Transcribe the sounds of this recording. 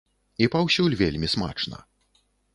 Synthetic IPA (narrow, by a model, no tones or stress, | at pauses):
ipawsʲulʲvʲelʲmʲisma̰t͡ʂnɐ̰